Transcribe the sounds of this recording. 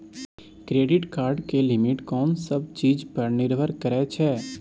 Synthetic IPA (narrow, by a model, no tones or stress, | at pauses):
kɾeːɖɪʈkaːɾɖkelɪmɪʈkɔːnsəb̚t͡ʃiːd͡ʒpɐɾnɪɾʋʱəɾkəɾɛt͡ʃʰɛː